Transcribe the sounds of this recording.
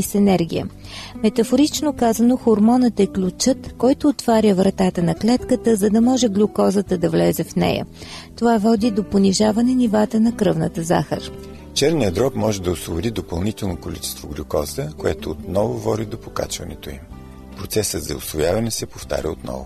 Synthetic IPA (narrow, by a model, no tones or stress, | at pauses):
isɛnɛɾɡ̟ʲḭjə̰ | mɛt̪ɐfoɾit͡ʃnokazənoxoɾmɔnət̪ɛklʲut͡ʃɤt̪kɔjt̪oːt̪v̥aɾʲəvɾɐt̪at̪ənɐklɛt̪kət̪əzɐd̪ɐmɔʒɛɡlʲʊkɔzət̪əd̪ɐvlɛzɛfnɛ̰jə̰t̪ovavɔd̪id̪oponiʒavɐnɛnivat̪ənɐkɾɤvnət̪əza̰xə̰ɾ | t͡ʃɛɾnijəd̪ɾɔpmɔʒɛd̪ɐosvobʊd̪id̪opɐlˠnit̪ɛlˠnokolit͡ʃɛ̥st̪voɡlʲukɔz̥t̪əkoɛt̪oːt̪nɔvovɔd̪id̪opoka̰t͡ʃvɐnɛ̰t̪oḭm | pɾot̪sɛsət̪zɐosvojavɐnɛsɛpoft̪a̰ɾʲə̰ot̪̚nɔ̰vʊ̰